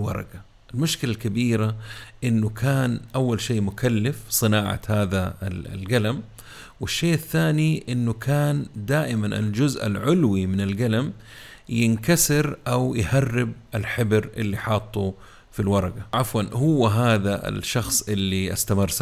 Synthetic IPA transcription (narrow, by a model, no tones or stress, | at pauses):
lwɑ̰ɾˤɑ̰ɡa | ɪlmʊʃkɪlalkabiːɾaʔɪnːʊkʰaːnʔawːalʃeːʔmʊkalːɪfsˤɨnaːʕa̰haːðalɡalam | wɪʃːeːʔaθːaːniʔɪnːʊkʰaːnd̪aːʔɪmanʔɪ̰ld͡ʒʊzʔa̰lʕʊlwimɪnɪlɡalam | jɪnkasɪɾʔawjharːɪb̚ʔɪlħɪbɾʔɪ̰lːiħɑːt̪ˤːu | filwɑɾˤɑɡaʔafwanhʊwːaɦaːðaʔɪ̰lʃɑxsˤʔɪlːiʔa̰st̪amɪrsa